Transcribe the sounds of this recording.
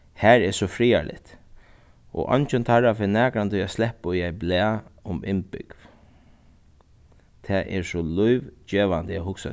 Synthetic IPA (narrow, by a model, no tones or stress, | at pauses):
hæːɹɛsɔfɾiːa̰lʔɪ̰t̪ | ʔɔ̰ʔɔ̰nt͡ʃənt̪ʰaɹafɛnɛːkɾant̪ʏaslɛhpʊiajblɛːʊmɪ̰npʏ̰kv | t̪ʰɛʔɛ̰ɹsɔlʊjʋt͡ɕɛːʋand̪ɛhʊksa̰